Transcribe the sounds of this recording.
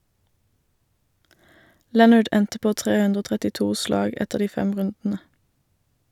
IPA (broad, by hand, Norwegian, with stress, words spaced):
ˈlɛnʌɖ ˈɛntə ˈpoː ˈtʁeː ˈʉndʁ ˈoː tʁɛtɪˈtuː ˈslɑːɡ ˈɛtəʁ ˈdiː ˈfɛm ˈʁʉndn̩ə